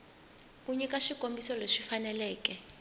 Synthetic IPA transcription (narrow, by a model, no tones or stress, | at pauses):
kuɲɛkaʂikʼombisɔleʂifanɛlɛːkɛ